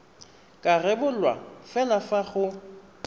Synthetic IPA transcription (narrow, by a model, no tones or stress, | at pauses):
kʼarɛbʊlwa̰fɛlafaχʊ